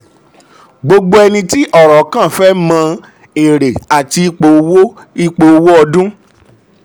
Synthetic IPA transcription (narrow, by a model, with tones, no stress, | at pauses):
ɡ͡bo˧ɡ͡bo˦ɛ˧nĩ˧ti˦ʔɔ˦˨ɾɔ˨˦kã˦˨fɛ˦mã˧˦ | e˨ɾe˨a˨ti˧i˧˦k͡po˨˧wo˦ | i˦k͡po˧o˧wo˦ɔ˧dũ˦